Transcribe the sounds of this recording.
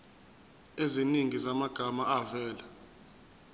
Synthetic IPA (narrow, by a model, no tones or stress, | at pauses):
eziniŋizamaɡ̥ʱamaavɛːla